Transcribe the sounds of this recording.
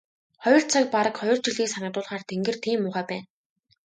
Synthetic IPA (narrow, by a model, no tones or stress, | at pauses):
χɔɥjɞ̆rt͡sʰak̚paɾə̆kχɔjʲɞ̆r̥t͡ɕiɮɣiːksanə̆t̪ʊːɮχaːrt̪ʰeŋɡɘ̆rt̪ʰiːmːʊːʁæːpæːn